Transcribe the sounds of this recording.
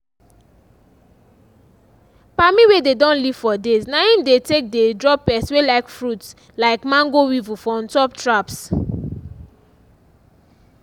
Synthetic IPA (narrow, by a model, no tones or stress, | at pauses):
pamiwededɔ̃nliv̥fɔdeznaĩmdetek̚dedɹɔpːɛswelaɪkfɹuts | laɪkmãŋɡowivufɔ̃ntɔp̚tɹaps